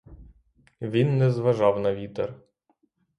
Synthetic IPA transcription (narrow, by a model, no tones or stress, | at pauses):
ʋʲinːɛzʋɐʒɑwnɐʋʲit̪er